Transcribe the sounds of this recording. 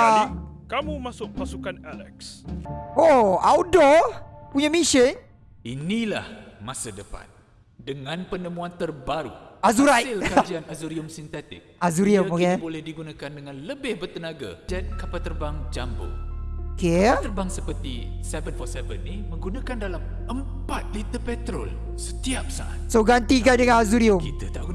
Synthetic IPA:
akamumasʊʔpasukanalɛ̰ks | oawdɔpuɲamiʃɪ | inĩla̰hmasədəpa̰n | dəŋãnpənəmũant̪ərbaɾṵazuɾajɪlkad͡ʒianazuɾiəmsint̪ɛt̪ɪk̚ʔazuɾiəmoɡɛbolɛhdiɡunakandəŋãnləbɪhbərt̪ənaɡa̰d͡ʒankapat̪ərbaŋd͡ʒambo̰okeapat̪ərbaŋsəpərt̪isɛvənfɔsɛvənːimə̃ŋɡunakandalam | əm | pat̪̚lit̪əpɛt̪ɾo̰l | sət̪iap̚sa̰ʔa̰t̪̚soɡant̪ikandəŋãnazuɾiʊmkit̪ət̪aʔɡu

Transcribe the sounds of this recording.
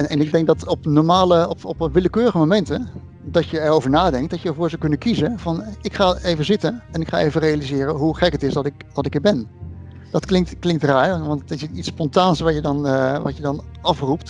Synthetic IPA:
ɛnɛnɪɡ̚dɛŋk̚dɑtɔpnɔɹmaːləɔpɔpʋɪləkøːɾəχəmomɛntə | dɑcəɛɹowvəɹnaːdɛŋk̚d̥ɑcjəɛɹvʊːɹzɑkɵnəkizəv̥ɑnɪkχaːejvəzɪtənɛnɪkχa̰ːʔejvərejalizɪːɾəɦuχɛkətɪzdɑtɪkdɑtɪkiɹbɛn | d̥ɑtklɪŋtklɪŋk̚traːɹʋɑnttɪsitspɔntaːnsʋɑjədɑnʋɑ̰cjədɑnɑfrupt

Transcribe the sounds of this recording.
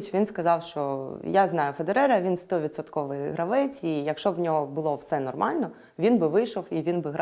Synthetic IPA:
t͡ʃʲʋʲinskɐzɑwʃt͡ʃɔjaznɑjʊfed̪eɾɛɾɐʋʲinst̪ɔʋʲit̪sɔt̪kɔʋɪjɦɾɐʋɛt͡sʲijɐkʃt͡ʃɔʋnʲɔɦɔbʊlˠɔwsɛnɔrmɑlʲnɔ | ʋʲinbɪʋɪjʃɔwiʋʲinbɪɦɾ

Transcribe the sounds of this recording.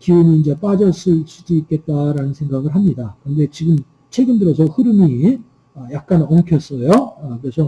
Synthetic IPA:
kiɯɲiːnd͡ʑe̞p͈ad͡ʑʌs͈ɯs͈u̥s͈uik͈e̞t̚t͈aɾanɯnsʰeŋɡaɡɯɭɦamɲidakɯɾʌnde̞t͡ɕiɡɯm | t͡ɕʰwe̞ɡɯndɯɾʌsʰʌhɯɾɯmi | ʌjak̚k͈anʌŋkʰjʌs͈ʌjoʌkɯɾesʰʌ

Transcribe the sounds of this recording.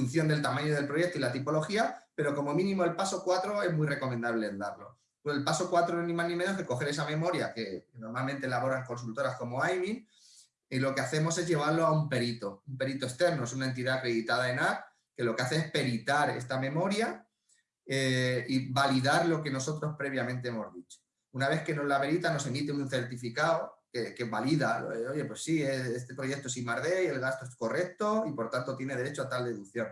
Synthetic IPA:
un̟θjo̞nd̪elt̪amãɲoðe̞lpɾo̞je̞k̚t̪oilat̪ipo̞lo̞xiape̞ɾo̞ko̞mo̞mĩnĩmo̞e̞lpaso̞kwat̪ɾo̞e̞zmwire̞ko̞mẽnd̪aβlend̪aɾlo̞̰ | elpaso̞kwat̪ɾoeznĩmaznĩmeno̞zðe̞ko̞xe̞ɾe̞samẽ̞mo̞ɾjake̞no̞ɾmalmẽnt̪elaβ̞o̞ɾaŋko̞ns̬ult̪o̞ɾasko̞mo̞ajβiŋ | ilo̞ke̞aθe̞mo̞se̞zʝe̞β̞aɾlo̞aumpe̞ɾit̪o̞umpe̞ɾit̪o̞e̞st̪e̞ɾno̞esunaent̪̬iðareðit̪að̞ae̞naɾ | ke̞lo̞keaθe̞espe̞ɾit̪aɾe̞̰st̪amẽ̞mo̞ɾja | eibaliðaɾlo̞ke̞no̞so̞t̪ɾo̞spɾe̞β̞jamẽ̞nt̪e̞emo̞zðit͡ʃo̥ | unaβ̞e̞θke̞no̞zlape̞ɾit̪ano̞se̞mit̪eunθe̞ɾt̪ifikaokekeβaliðaoʝe̞pwe̞sːiesest̪e̞pɾo̞je̞k̚t̪oesimaɾðe̞ie̞lɣast̪oesko̞re̞k̚t̪o̞ipo̞ɾt̪ant̪o̞t̪je̞ne̞ð̞e̞ɾe̞t͡ʃoat̪ald̪e̞ðukθjo̞n

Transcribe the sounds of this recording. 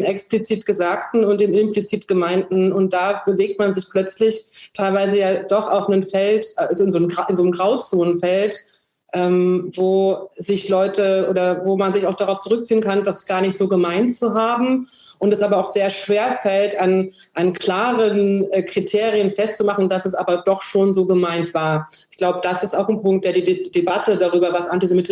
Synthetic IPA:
nʔɛksplit͡siːtɡ̥əzaːk̚tn̩ʊntd̥eːnɪmplit͡siːtɡ̥əmaɪndn̩ʊnt̚d̥aːbəveːk̚tmanzɪçpl̥œt͡slɪçtʰaɪlvaɪzəjaːd̥ɔχʔa̰ʊxnənfɛltʔaazoɪnzoːnmɡʁaʔɪnzoːnmɡʁaʊt͡soːnənfɛlt | ʔɛːmvoːzɪçlɔʏtəʔoːdɐvoːmanzɪçaʊxd̥aʁaʊft͡suʁʏk̚t͡siːənkʰandasɡ̥aːɐnɪçtz̥oːɡəmaɪntt͡suɦaːbm̩ | ʔʊntɛsʔaːbɐaʊxz̥eːɐʃv̥eːɐfɛltan | ʔankʰl̥aːʁənːkʁ̥itʰeːʁiənfɛstt͡sumaχn̩dasɛs̬ʔa̰ːbɐdɔχʃoːnzoːɡəmaɪntv̥aːɐʔɪçɡ̥laʊbəd̥asɪstaʊxn̩pʊŋkt̚d̥eːɐdiːdd̥ebatədaʁyːbɐvasʔantizemitʰɪ

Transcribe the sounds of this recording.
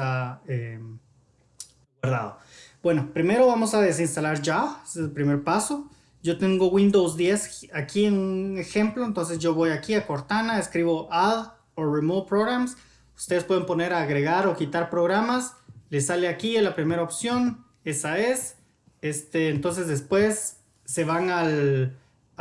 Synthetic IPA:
ae | waɾða̰ðo̰ | b̥we̞nopɾime̞ɾo̞βamosaðe̞s̬inst̪alaɾd͡ʒaeseselpɾime̞ɾpaso | ɟ͡ʝo̞t̪e̞ŋɡo̞wind̪owzd̪je̞sakienune̞xemplo̞ent̪o̞ns̬e̞sʝo̞βo̞jakiako̞ɾt̪anaeskɾiβo̞ʔað | oremot̪̚pɾoɣɾams | u̥st̪eðspwe̞ðempo̞ne̞ɾaːɣɾeɣaɾo̞kit̪aɾpɾoɣɾamaslesaleakielapɾime̞ɾaopsjo̞n | e̞saes | est̪eːnt̪o̞ns̬e̞zðe̞spwe̞sː | e̞βaŋal

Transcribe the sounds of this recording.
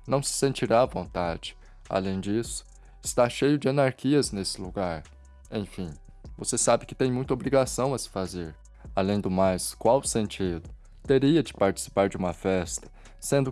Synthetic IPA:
nɐ̃w̃sɪ̥sẽnt͡ʃiɾaːvõnt̪ad͡ʒɪ̥ | a̰lẽj̃d͡ʒisʊ̥ | ɪst̪aʃejʊd͡ʒɪɐ̃naɾkiɐznesɪ̥luɡaɾ | ẽj̃fĩ | vosesabɪkɪ̥t̪ẽj̃mũj̃t̪ɐobɾiɡasɐ̃w̃ɐsɪ̥fazeɾ | alẽj̃d̪ʊmajskwawsẽnt͡ʃid̪ʊ | t̪eɾiɐd͡ʒɪ̥paɾt͡ʃi̥si̥paɾd͡ʒɪũmɐfɛst̪ɐ̥ | sẽnd̪ʊ

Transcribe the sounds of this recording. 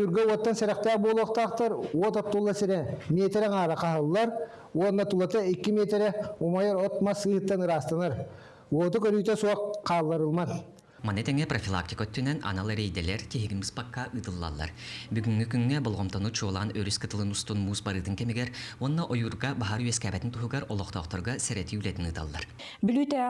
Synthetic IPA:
uɾɡøwot̪ːɑnseɾɑq̚t̪æbolˠoqt̪ɑqt̪ɑɾwot̪at̪ːulˠːɑseɾemet̪ɾɛŋɑːɾɑqʰɑɦɯlˠːɑɾ | wonːɐt̪ulˠɑt̪ɑekʲːɪmet̪ɾeomajɑɾot̪mɑsɯhɯt̪ːɑnɯɾɑst̪ɑnɑɾ | wot̪ukøɾyjt̪esuɑqʰːɑlˠːɑɾɯlˠmɑn | manɛt̪ɛŋɛprofʲilˠa̰k̚t̪ʲi̥kœt̪ːynɛna̰nalˠɾejd̪ɛlɛɾk̪iɦiɡinbɯspakːɑʔɯt̪ɯlˠːa̰lˠːɑ̰ɾbyɡyŋːykyŋːɛbolˠʁɔmt̪onut͡ʃʰuɔlˠʁɑnøɾyskɯt̪ɯlˠɯnust̪unmuːsbaɾɯːt̪ɯŋkɛmiɡɛɾɔnːaʔojuɾɡɑbaɦɑɾyɛskæːbɛt̪int̪uɦuɡaɾɔlˠɔqt̪ɔːqt̪ɔɾɡɑsɛɾɛt̪iylɛt̪inɯt̪ʰa̰lˠːɑ̰ɾ | blyt̪ɛ

